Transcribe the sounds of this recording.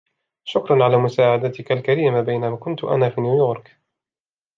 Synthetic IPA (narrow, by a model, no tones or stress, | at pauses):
ʃʊkɾˤɑnʕalaːmʊsaːʕad̪at̪ɪkalkaɾiːmabajnamaːkʊnt̪ʊʔa̰naːfiːnjuːjoːɾˤk